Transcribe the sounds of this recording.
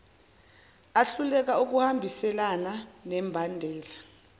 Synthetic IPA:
aɬulɛk̬auk̬uhambʱisɛlananɛːmbʱandʱɛːla

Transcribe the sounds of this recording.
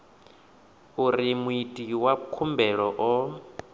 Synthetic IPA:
uɾimuitʼiwakʰumbɛɺɔʔɔ

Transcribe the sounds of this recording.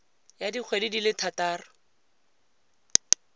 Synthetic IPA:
jadik͡xʰwedidilɪtʰataːrʊ

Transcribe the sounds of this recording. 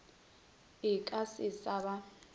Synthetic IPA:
ikʼasisaβa

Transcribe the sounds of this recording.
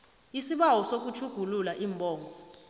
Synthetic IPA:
isiɓawɔsok̬ut͡ʃʰuɡ̥ʱululaʔiːmbʱʼɔːŋʱɔ

